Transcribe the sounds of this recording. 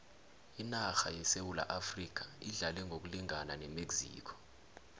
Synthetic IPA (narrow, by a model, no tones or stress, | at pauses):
inaxa̰jɛsewula̰ʔafrik̬ʰaiɮalɛŋɡʱok̬uliŋʱananɛmeɡz̥ḭːkʰɔ̥